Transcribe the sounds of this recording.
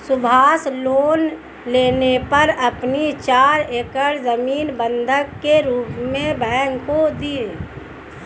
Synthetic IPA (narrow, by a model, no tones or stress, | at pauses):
sʊbʱaːsloːn | leːnepɐɾəpnit͡ʃaːɾeːkəɾzəmiːnbə̃nd̪ʱəkːeɾuːpmẽbɛ̃ːŋɡkod̪ie